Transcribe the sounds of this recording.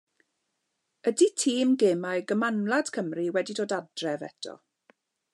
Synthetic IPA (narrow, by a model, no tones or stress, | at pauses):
əditʰiːmɡeːmajɡəmanlˠad̥kʰəmriwɛdidoːdadrɛvɛ̰tʰɔ̰